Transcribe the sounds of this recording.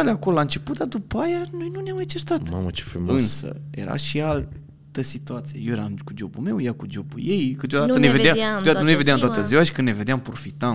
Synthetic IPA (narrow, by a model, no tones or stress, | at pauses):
aleakololaɨnt͡ʃe̞put̪̚d̪ad̪upajanojnuneamet͡ʃest̪at̪ma̰mət͡ʃefumɨnsə̰je̞̰ɾa̰ʃial | t̪əsit̪uat̪sijejewjeɾamkud͡ʒo̞bume̞wjakud͡ʒo̞bṵje̞jkɨt̪jo̞d̪antəneved̪eamaɨt̪od̪at̪ənuneve̞d̪eamt̪oat̪əziwaʃi̥kɨnneve̞d̪eampɾo̞fit̪am